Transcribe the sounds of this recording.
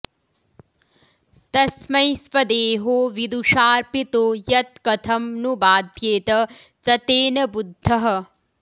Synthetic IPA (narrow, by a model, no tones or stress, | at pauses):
t̪ɐsmɐjsʋɐd̪eːɦoːʋid̪uʂaːɾpit̪oːjɐt̪̚kɐt̪ʰɐmnubaːd̪ʱjeːt̪ɐ | t͡sɐt̪eːnɐbud̪ʱːɐɦɐ̆